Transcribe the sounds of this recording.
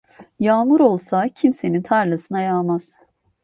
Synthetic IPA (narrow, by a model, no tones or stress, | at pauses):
jaːmuɾo̞lˠsacʰimse̞nint̪ʰaɾlˠasɯnajaːmaz̥